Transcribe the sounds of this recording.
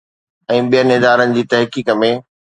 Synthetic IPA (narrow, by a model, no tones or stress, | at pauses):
ɛ̃ːɓijənɪɦd̪aːɾənɪ̆d͡ʑiːt̪ɐɦkiːkəmẽ